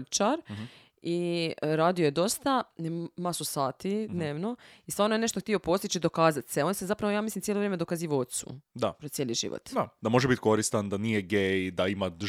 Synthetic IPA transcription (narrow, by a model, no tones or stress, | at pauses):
lt͡ʃaɾ | iɾaːd̪iojed̪o̞st̪amasusaːt̪id̪ne̞ːʋno̞isanoene̞ʃt̪oxt̪io̞po̞st̪it͡ʃid̪o̞kaːzat̪seo̞nsezapɾaʋojaːmislimt̪jeloʋɾjemd̪o̞kaziːʋot̪sṵd̪apɾojeːliʒḭʋo̰t̪d̪ad̪amo̞ʒebit̪ko̞ɾist̪and̪anijeɡejd̪aima